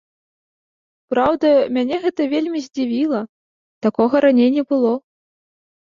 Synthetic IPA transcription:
pɾawd̪ɐmʲanʲɛɣɛt̪ɐvʲelʲmʲizʲd͡zʲivʲilˠɐ | t̪akɔɣɐɾanʲejnʲːɛbɨlˠɔ

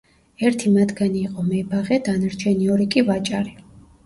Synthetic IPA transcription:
ɛɾt̪ʰimad̪ɡaniːqʼɔmɛbaʁɛd̪anaɾt͡ʃʰɛniɔɾikʼivat͡ʃʼaɾi

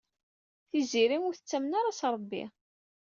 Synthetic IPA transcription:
θiziɾimʊɾθə̥t͡sːæmnaɾasɾˤəbːḭ

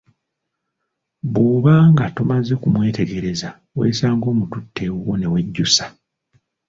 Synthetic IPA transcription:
βuːβaːŋɡatumaze̞kumwe̞ːte̞ɡe̞ɾe̞za | wḛːsaːŋɡo̞ːmututːe̞wone̞we̞ɟːusḁ

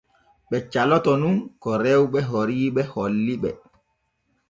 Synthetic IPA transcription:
ɓɛt͡ʃalɔtɔnunkɔɾɛwɓɛɦoɾiːɓɛholːiɓɛ̰

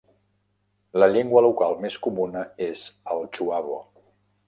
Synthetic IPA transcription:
ləʎeŋɡwəlukalˠmeskumunəezəlˠt͡ʃuaβo̰

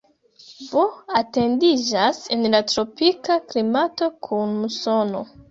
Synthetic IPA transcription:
voate̞ndid͡ʒasenlatɾo̞pikaklimato̞kʰunmuso̞no̰

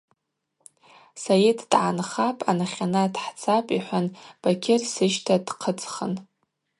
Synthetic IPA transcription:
sajidʰd̥ʕanχapʼanaχʲanadħt͡sʰapʼiħʷanb̥akʲʰɪrsɨʒtʰadqʰət͡sʼχən

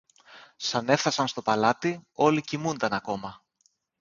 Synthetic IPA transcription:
sɐne̞fθɐsɐnst̪o̞pɐlɐt̪io̞licimund̪ɐnɐko̞mɐ

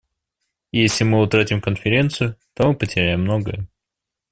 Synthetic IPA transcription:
jesʲlʲɪmɨʊt̪ɾatʲɪmkənfʲɪɾʲe̞nt̪sɨjʊt̪o̞mɨpətʲɪɾʲæjɪmːno̞ɡə̰jə

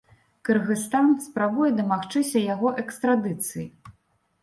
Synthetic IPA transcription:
kɐrɣɨst̪anspɾabujɛd̪ɐmaxt͡ʂɨsʲɐjaɣɔʔɛkst̪ɾad̪ɨt̪sɨji

